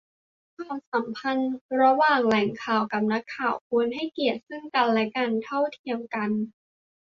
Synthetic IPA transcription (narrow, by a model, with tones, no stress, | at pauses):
kʰwaː˧˩msa˩˦mpʰa˧nɾa˧waː˨˩ŋlɛ˩˦ŋkʰaː˨˩wka˨˩p̚na˦˥kʰːaː˨˩wkʰu˧nɦa˥˩jki˨˩ət̪̚sɯ˥˩ŋka˧nlɛ˦˥kaː˧nt̪ʰa˥˩wt̪ʰi˧əmka˧n